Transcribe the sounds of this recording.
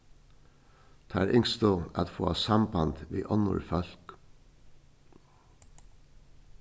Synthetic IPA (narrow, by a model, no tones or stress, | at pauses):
t̪ʰːæːɾʔɪŋst̪oːɑ̰t̪foːɑːsɑmbɑnd̪̥ʋḭːʔɔnʊ̰ɹfœlk